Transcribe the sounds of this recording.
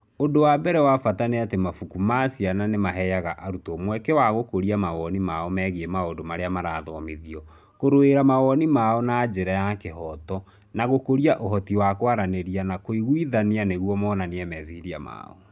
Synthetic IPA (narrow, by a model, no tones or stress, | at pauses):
ondowabɛɾɛwafataneatemafukumasjananemaɦɛjaɣaʔaɾutɔmwɛkɛwaɣokoɾiamaɣɔnimaɔmɛɣeemaondomaɾeamaɾaːðɔmiðiɔ | koɾoeɾamaɣɔnimaɔnad͡ʒeɾajakeɦɔtɔ | naɣokoɾiaʔoɦɔtiwakwaɾaneɾianakoiɣwiðanianeɣwɔmɔnaneɛmɛziɾia̰ma̰ɔ̰